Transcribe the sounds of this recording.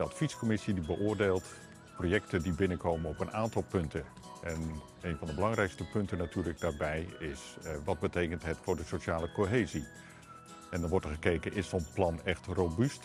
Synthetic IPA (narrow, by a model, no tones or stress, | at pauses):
əɑtfiskomɪsidibəʔʊːrdeːlˠt | projɛktədibɪnəkowmənɔpənʔaːntɑlˠpɵntə | ʔɛn | ejnvɑ̃ndəbəlɑŋrɛjkstəpɵntənatyːɹləɡ̚daːɹbɛjɪsʋɑd̚bətejkəntɦətfʊːɹdəsoʃaːləkoɦeːzi | ɛndɑnʋɔɹtəχəkejkənʔɪsɔplɑnɛχtrowbyst